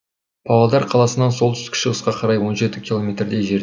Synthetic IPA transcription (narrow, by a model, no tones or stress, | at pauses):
b̥ʰɑlˠɑd̪ɑɾqʰɑlˠɑsənɑnso̞lˠt̪ʰʏ̥st̪ɪkʲɪ̥ʃəʁəsqɑqʰɑɾɑjwo̞nʒe̞t̪ɪkʲilˠo̞mʲet̪ɾd̪e̞ʒe̞ɾ